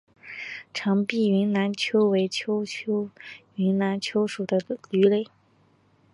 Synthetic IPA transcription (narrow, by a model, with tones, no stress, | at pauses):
ʈ͡ʂʰɑ˧˥ŋpi˥˩y˧˥nna˧˥nt͡ɕʰjo˥ʊwe˧˥ɪt͡ɕʰjo˥ʊt͡ɕʰo˥ʊ | y˧˥nna˧˥nt͡ɕʰjo˥ʊʂu˨˩d̪ə˦ly˧˥le˥˩ɪ